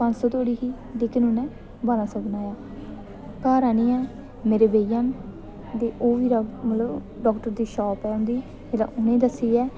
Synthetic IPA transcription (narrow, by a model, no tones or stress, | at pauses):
pə̃ɲd͡ʒsɔːt̪oːɽiːɦiː | leːkɪnʊnɛ̃ː | baːɾãːsoːbənaːjaː | kaːɾaːnĩːɛː | meːɾeːbeːjãːn | d̪eːʔoːʋiːɾamət̪ləb | ɖɔːkʈəɾd̪iːʃɔːpɛːʊ̃nd̪iː | elã̰ːʔʊnẽːd̪əsːiːɛː